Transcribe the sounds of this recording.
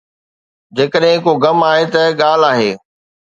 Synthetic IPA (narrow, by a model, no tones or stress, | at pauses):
d͡ʑeːkəɗɦɪ̃koɡɐmaːɦet̪ɐɠaːl̤aːɦeː